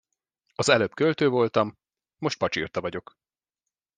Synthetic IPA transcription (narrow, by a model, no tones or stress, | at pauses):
ɒzɛløːpkølt̪øːvo̞lt̪ɒmː | o̞ʃt̪̚pɒt͡ʃḭrt̪ɒvɒɟo̞k